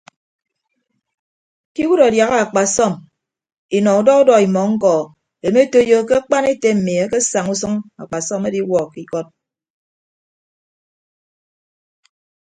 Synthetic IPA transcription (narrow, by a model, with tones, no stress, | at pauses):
ki˦wu˦ɾa˨dja˨ɣa˦a˨k͡pa˨sɔ˦˨m | i˨nɔ˨u˨dɔ˦u˦dɔ˨i˨mɔ˨ŋ̩˦kɔ˨ | e˨me˦to˦jo˦ke˦a˦k͡pa˦ne˦te˦m̩˨mi˨e˦ke˦sa˨ŋu˦sɨ˦ŋa̰˨k͡pa˨sɔ˦me˦di˦wɔ˨ki˦kɔ˦t̚